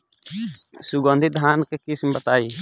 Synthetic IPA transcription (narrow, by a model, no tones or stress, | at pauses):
suɡɔ̃nd̪ʱit̪̚d̪ʱankekismbɐt̪aːiː